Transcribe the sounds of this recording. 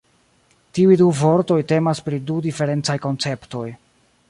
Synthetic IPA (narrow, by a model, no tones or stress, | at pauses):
tiujduvo̞ɾto̞jte̞maspɾidudife̞ɾe̞nt͡sajko̞nt͡se̞pto̞j